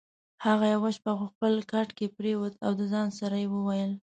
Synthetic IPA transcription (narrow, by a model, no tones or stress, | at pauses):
haɣajawaʃpaɣʊxpəlkaʈkepɾewət̪awd̪əzɑnsaɾajewəwajəl